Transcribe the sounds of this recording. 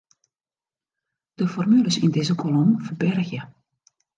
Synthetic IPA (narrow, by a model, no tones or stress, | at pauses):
d̥əfɔrmyləsɪndɪzəkʰolɔmfərbɛrxjə